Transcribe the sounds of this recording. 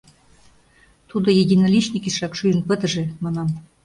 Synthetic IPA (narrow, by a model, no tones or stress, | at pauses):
t̪ud̪ŏjedʲinɑlʲit͡ɕnʲikiʃrɑkʃyjə̆npə̆t̪ə̆ʒĕmɑnɑm